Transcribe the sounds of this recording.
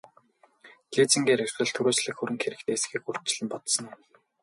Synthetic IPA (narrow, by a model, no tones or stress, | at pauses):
ɮiːt͡sĭŋɡeːɾer̥ɮə̆ɮt̪ʰɵɾoːt͡ɕɮɘ̆kxɵɾɘ̆ŋxeɾɘ̆kt̪ʰeːs̆xiːkur̥t͡ɕ̆ɮɘ̆mpɔt̪sɞ̆n